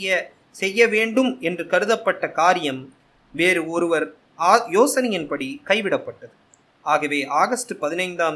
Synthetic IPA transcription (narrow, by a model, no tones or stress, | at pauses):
jɐ | sɛjːɐʋeːɳɖɯmɛndrɯkɐɾɯðɐpːɐʈːɐkaːɾɪjɐm | ʋeːɾɯɔɾɯʋɐɾː | joːsɐnɪjɐnpɐɽikɐɪʋɪɽɐpːɐʈːɐðɯ | aːɣɐʋeːʔaːɣɐsʈɯpɐðɪnɐɪnd̪aːm